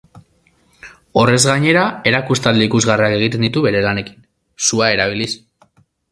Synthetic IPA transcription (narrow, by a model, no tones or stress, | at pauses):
o̞re̞zɣaɲe̞ɾae̞ɾakust̪ald̪eikuzɣariake̞ɣ̞it̪e̞nd̪it̪uβe̞ɾe̞lane̞ki̥n | suae̞ɾaβ̞ilis